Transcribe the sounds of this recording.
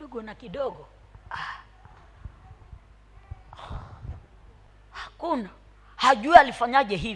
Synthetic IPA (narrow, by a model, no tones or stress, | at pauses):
uɡɔnakiɗɔɡɔ | a | hakuna | haʄuialifaɲaʄɛɦi